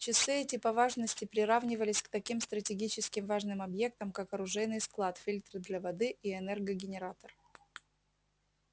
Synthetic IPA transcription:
t͡ɕɪsɨɛtʲɪpɐvaʐnəsʲtʲɪpɾʲɪɾavnʲɪvəlʲɪsʲkt̪ɐkʲimst̪ɾətʲɪɡʲit͡ɕɪskʲɪmvaʐnɨmɐbje̞k̚t̪əmkakɐɾʊʐɛjnɨjsklˠat̪fʲilʲt̪rɨd̪lʲɐvɐd̪ɨʔiɛnɛrɡəɡʲɪnʲɪɾat̪ər

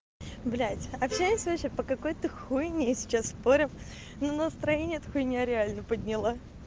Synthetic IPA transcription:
blʲætʲɐpɕæjɪsʲvɐɕʲepəkɐko̞jt̪əxujɪnʲɪjsʲɪ̥t͡ɕasspo̞ɾʲɪm | nunəst̪ɾɐjenʲɪjɛt̪ɐxujɪnʲɪjaɾʲɪalʲnəpədʲnʲɪlˠa

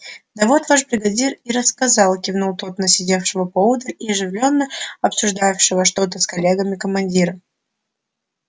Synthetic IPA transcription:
d̪ɐvo̞t̪vaʂbɾʲɪɡɐdʲiriɾəskɐzɑlˠkʲɪvnulˠt̪ot̪nəsʲɪdʲe̞fʂɨvəpovd̪əiɐʐɨvlʲonːəɐpsʲʊʐd̪ajɪfʂɨvəʂt̪o̞t̪əskɐlʲeɡəmʲɪkəmɐnʲdʲiɾə

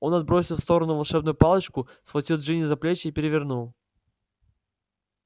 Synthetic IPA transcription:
o̞nɐd̪̚bɾo̞sʲɪlˠfst̪o̞ɾənʊvɐlˠʂɛbnʊjʊpɑlˠət͡ɕkʊsxvlˠɐtʲilˠd̪ʐɨnʲɪzɐplʲet͡ɕɪipʲɪɾʲɪvʲɪrnulˠ

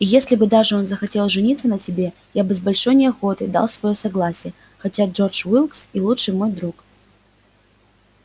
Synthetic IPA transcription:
ijesʲlʲɪbɨd̪aʐɨo̞nzəxɐtʲelˠʐɨnʲit̪sːənətʲɪbʲe | jabɨzbɐlʲʂo̞jnʲɪɐxo̞t̪ɨd̪a̰lˠsvɐjosɐɡlˠasʲɪjə | xɐtʲaʐo̞rt͡ʂvilˠksilˠuʂɨjmo̞jd̪ɾuk

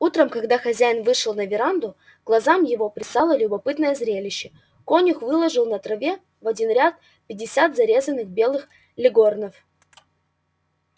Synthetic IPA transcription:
ut̪ɾəmkɐɡd̪axɐzʲæjɪnvɨʂɨlˠnɐvʲɪɾand̪ʊ | ɡlˠɐzamjɪvo̞pɾʲɪsalˠəlʲʊbɐpɨt̪nəjəzɾʲelʲɪɕːɪ | konʲʊxvɨlˠəʐɨlˠnɐt̪ɾɐvʲe̞ | vɐdʲinɾʲat̪̚ | pʲɪdʲːɪsʲat̪zɐɾʲe̞zənːɨxbʲe̞lˠɨx | lʲɪɡo̞rnəf

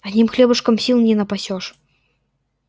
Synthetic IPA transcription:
ɐnʲimxlʲɛbɐʂkɐmsʲilnnʲɛnɐpasʲɔʂ

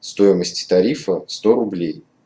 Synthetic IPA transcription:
st̪o̞jɪməsʲtʲɪ̥t̪ɐɾʲifəst̪oɾʊblʲej

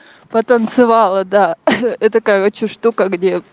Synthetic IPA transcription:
pət̪ənt̪sɨvɑlˠəd̪aɛt̪ɐkajəot͡ɕɪʂt̪ukəɡdʲe

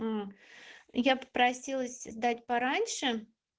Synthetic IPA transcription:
japə̥pɾɐsʲilˠəsʲzd̪atʲpɐɾanʲʂɨ

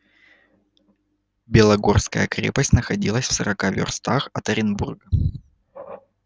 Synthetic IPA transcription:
bʲɪlˠɐɡo̞rskəjəkɾʲḛpəsʲtʲnəxɐdʲilˠəsʲfsəɾɐkavʲɪ̰rst̪axɐt̪əɾʲɪnburɡə

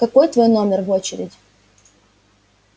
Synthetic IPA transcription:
kɐko̞jt̪vo̞jno̞mʲɪrvo̞t͡ɕɪɾʲɪdʲ

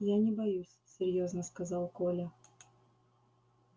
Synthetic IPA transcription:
janʲɪbɐjusʲsʲɪrʲjoznəskɐzɑlˠkolʲə

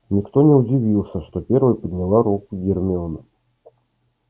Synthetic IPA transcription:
nʲɪkt̪onʲɪʊdʲɪvʲilˠsʲəʂt̪opʲervɨjpəd̪ʲnʲɪlˠaɾukʊɡʲɪrmʲɪonə

